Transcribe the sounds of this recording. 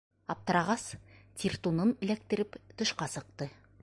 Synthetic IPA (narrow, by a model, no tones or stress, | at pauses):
ɑp̚t̪ɤ̆ɾɑʁɑst̪ʲʰirt̪unɤnɘ̆læk̚t̪ɘ̆ɾɘpt̪ŏʃqɑsɤ̆q̚t̪ɤ